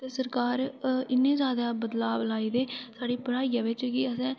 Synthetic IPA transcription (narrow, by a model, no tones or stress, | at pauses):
t̪eːsəɾkaːɾɪnːẽːzjaːd̪aːbəd̪laːʋlaːiːd̪eːsaːɽiːpəɽaːijãːʋɪt͡ʃkɪəsɛ̃ː